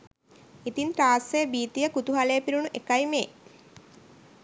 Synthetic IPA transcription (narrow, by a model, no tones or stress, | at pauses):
it̪int̪ɾaːsːejəbiːt̪ijəkut̪uɦalejːpiɾunuʔekajmeː